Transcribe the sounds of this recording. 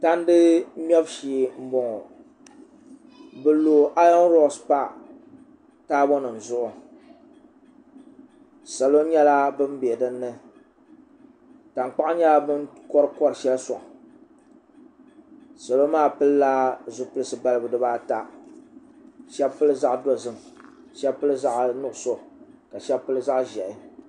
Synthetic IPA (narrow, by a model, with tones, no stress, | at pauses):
ta˦n˦dɨ˦m˦ɛ˦bʃi˨m̩˦bɔ˨ŋɔ˨ | bɨ˨loː˨ʔa˦ɔ˦n˦ɾɔ˦˨spa˦ | taː˦bɔ˦nɨ˨n̩˨zʊ˦ʔʊ˨ | sa˨lo˦ɲɛ˦la˦bɨ˦m˦bɛ˨dɨ˦nːɨ˦ | ta˨ŋk͡pa˦ʔɲɛ˦la˦bɨ˦nkɔ˦ɾɨ˦kɔ˦ɾɨ˨ʃɛ˦lsɔ˨ʔ | sa˨lo˦maː˦˨pɨ˦lla˦zʊ˨pɨ˦ɨ˦˨sɨ˦ba˦lɨ˦bʊ˨dɨ˦baː˦ta˨ | ʃɛ˦bpɨ˦lɨ˦za˦ʔdo˨zɨ˦m | ʃɛ˦bpɨ˦lɨ˦za˦ʔnʊ˦˨ʔʊ˨so˦ʔka˨ʃɛ˦bpːɨ˦lɨ˦za˦ʔʒɛ˨ʔɪ˦